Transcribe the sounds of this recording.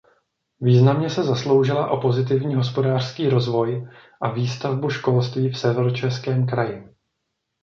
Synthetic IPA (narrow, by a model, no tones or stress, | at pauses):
viːznamɲɛsɛzaslo̞wʒɪlaʔo̞po̞zɪt̪̬ɪvɲiːɦo̞spo̞daːr̥skiːɾo̞zvo̞jʔaviːst̪avbuʃko̞lst̪viːfsɛvɛɾot͡ʃɛskɛːmk̬ɾajɪ